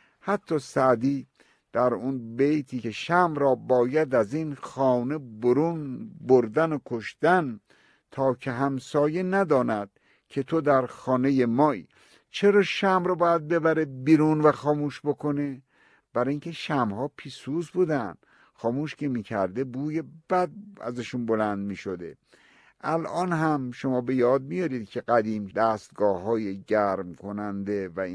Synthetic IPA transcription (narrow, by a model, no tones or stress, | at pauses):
hæt̪ʰːɒːsæd̪iː | d̪̥æɾunbejt̪ʰiːeʃæmɾɒːbɒːjæd̪æziːnxɒːneboɾunboɾd̪ænokʰoʃd̪æn | t̪ʰɒːkʰeɦæmsɒːje̞næd̪ɒːnæd̪̥̚ | kʲʰe̞t̪ʰod̪æɾxɒːne̞jemɒːḭː | t͡ʃʰeɾɒːʃæmɾɔbɒːjæd̪̚be̞bæɾebiːɾuːnvæxɒːmuːʃbo̞kʰo̞ne | b̥æɾɒːiŋkʲʰe̞ʃæmhɒːpʰiːsuːzbuːd̪æn̥ | xɒːmuːʃkʰemiːkʰæɾd̪e̞buːjebæd̪̚æ̰zæʃunbo̞lænd̪̚miːʃod̪ḛ | ʔælʔɒːnɦæmʃo̞mɒːbe̞jɒːd̪̚mijɒɾiːd̪̥cʲʰeɡæd̪iːmd̪æːst̪̚ɡɒːɦɒːjeɟæɾmkʰo̞nænd̪e̞væ